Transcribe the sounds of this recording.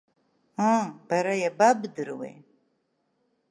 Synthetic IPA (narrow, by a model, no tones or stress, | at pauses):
ab̥aɾajababɨdɨɾwḛ